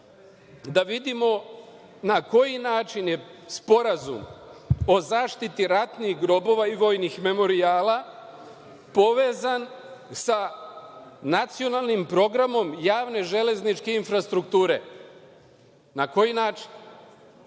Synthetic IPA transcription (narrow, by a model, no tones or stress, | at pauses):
d̪aʋid̪imo̞ | nako̞jinaːt͡ʃinjespo̞ɾazṵmo̞zaːʃt̪it̪iɾat̪nixɡɾo̞bo̞ʋaiʋo̞jnixme̞mo̞ɾiaːla | po̞ʋe̞ːzansa | nat̪sio̞nalˠnimpɾo̞ɡɾamo̞mjaːʋne̞ʒe̞le̞znit͡ʃke̞infɾast̪ɾukt̪uːɾe̞ | nako̞jinaːt͡ʃi̥n